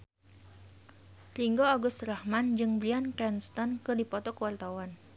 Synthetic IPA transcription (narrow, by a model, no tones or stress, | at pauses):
riŋɡoaɡʊst̪rahmand͡ʒɨŋbliankɾɛnst̪ɔnkɨrdipɔt̪ɔkəwart̪awan